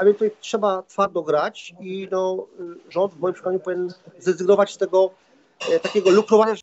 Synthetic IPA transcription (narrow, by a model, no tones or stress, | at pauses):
avʲjɛnt̪uvjtʂɛbat̪faɾd̪ɔɡɾat͡ɕinɔʐɔnd̪vmɔjimpʂɛk̪aɲupɔvʲinʲɛnzd̪ɛzɘɡnɔvat͡ɕst̪ɛɡɔ | t̪akʲɛɡɔlukɾɔvaɲa